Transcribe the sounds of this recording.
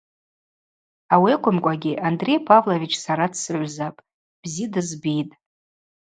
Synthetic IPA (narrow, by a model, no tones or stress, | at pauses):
awiekʷʰʊmkʷʼaɡʲɪʔandre̞jpʰʼavlovit͡ʃʰsaɾadsɨʕʷzapʼ | b̥zidɨzbijtʼ